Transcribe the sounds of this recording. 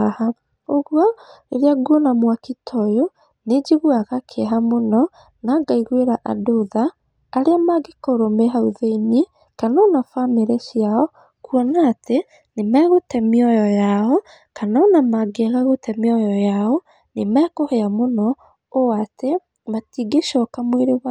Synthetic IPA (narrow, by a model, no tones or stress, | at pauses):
ha | oɣwɔ | eɾeaɡuɔnamwakitʰɔjo | ned͡ʒiɣwaɣakʰeɦamonɔ | naɡaiɣweɾaʔa̰doðaː | ɾeamaɡekoɾomeɦauðeini | kanaɔnafameɾeʃjaɔ | kuɔnaːte | nemɛːɣotɛmiɔjɔjaɔ | kanaɔnamaɡeaɣaɣotɛmiɔjɔjaɔ | nemɛkoheamonɔ | oate | matiɡeʃɔkamweɾewa